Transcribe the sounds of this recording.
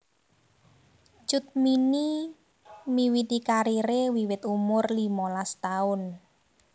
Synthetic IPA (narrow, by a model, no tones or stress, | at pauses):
t͡ʃʊt̪̚mini | miwit̪ikaɾiɾewiwɪt̪umʊrlimɔlast̪aʊn